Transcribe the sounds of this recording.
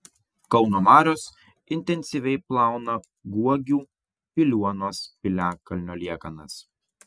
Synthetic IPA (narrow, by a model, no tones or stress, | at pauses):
kɒʊnoːmɑːɾʲoːs | ɪnʲt̪ʲɛnʲsʲiʋʲɛɪplˠɑˑʊnɐ | ɡuɔɡʲuː | pʲɪlʲuɔnoːspʲɪlʲæːkɐlʲnʲoːlʲiɛkɐnɐ̰s